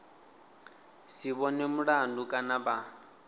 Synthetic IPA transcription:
siβɔnemuɺandukʼanaba

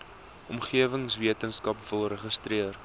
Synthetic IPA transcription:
ʔɔmχiəvəŋsviətənskɐpvəlˠrəχəstriər

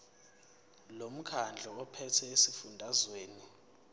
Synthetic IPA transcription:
lom̩kʰand͡ɮʱɔɔpʰɛtʰɛesifundʱazweːni

